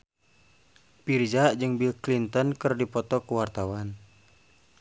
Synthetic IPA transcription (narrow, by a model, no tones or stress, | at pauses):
pird͡ʒaʔd͡ʒɨŋbilklint̪ɔnkɨrdipɔt̪ɔkuwart̪awan